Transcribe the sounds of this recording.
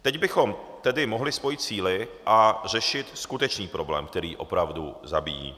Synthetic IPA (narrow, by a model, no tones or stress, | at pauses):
t̪ɛɟbɪxo̞mt̪ɛdɪmo̞ɦlɪspo̞jɪt̪̚t͡siːlɪʔar̝ɛʃɪt̪skut̪ɛt͡ʃniːpɾo̞blɛ̰ːmk̚t̪ɛɾiːʔo̞̰pɾavdṵza̰bijḭː